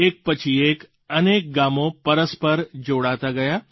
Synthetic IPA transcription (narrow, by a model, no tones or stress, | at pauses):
eːk̚pɐt͡ʃʰieːk | ɐneːk̚ɡaːmõpɐɾəspɐɾd͡ʒoːɽaːt̪aɡɐjaː